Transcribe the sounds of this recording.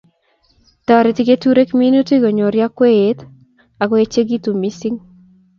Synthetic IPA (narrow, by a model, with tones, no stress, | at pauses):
t̪ɔ˨ɾe˨ti˦ke˦tu˦ɾe˦kmi˦nu˦ti˦ɡo˨ɲo˨ɾja˦kwe˦e˨˦t | a˨kwe˦t͡ʃe˦ɡi˦t̪u˨mi˦si˦ŋ